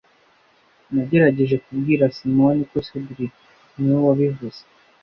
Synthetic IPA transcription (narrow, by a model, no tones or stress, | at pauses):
naɟe̞ɾaɟe̞ʒe̞kub̚ɡiːɾasimonikosebɾi | niwowaβivuz̥e